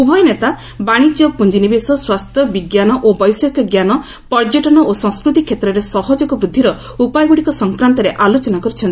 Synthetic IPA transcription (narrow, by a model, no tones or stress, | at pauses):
ubʱɔjɔnet̪a | baɽ̃id͡ʒjɔpund͡ʒinibesɔswast̪ʰjɔbiɡjanɔʔobɔjsɔkɔɡjanɔ | pɔɾd͡ʒɔʈɔnɔʔosɔ̃ŋskɾut̪ikʰjet̪ɾɔɾesɔɦɔd͡ʒɔkɔbɾud̪ʱːiɾɔ | upajɡuɽikɔsɔŋkɾant̪ɔɾeʔalot͡ʃɔnakɔɾit͡ʃʰɔnt̪i̥